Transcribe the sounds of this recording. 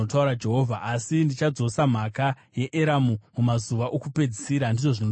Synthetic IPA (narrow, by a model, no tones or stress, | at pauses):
otauɾad͡ʒe̞ɦovʱaʔasindit͡ʃad͡zo̞sam̤aka | je̞ʔeɾamumumazuʋaʔo̞kupe̞d͡zisiɾandiʐo̞ʐino